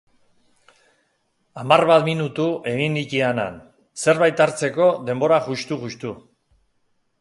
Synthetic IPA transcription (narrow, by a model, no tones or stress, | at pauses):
amarβat̪minut̪uʔe̞ɣiniciana̰n | se̞ɾβajt̪aɾt͡se̞ko̞ðe̞mbo̞ɾaʝust̪uɣust̪u